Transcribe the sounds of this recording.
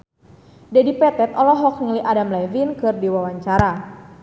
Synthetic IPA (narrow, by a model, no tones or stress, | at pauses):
dɛdipɛt̪ɛt̪ɔlɔɦɔk̚ŋiliʔadamlavinkɨrdiwawaɲt͡ʃaɾa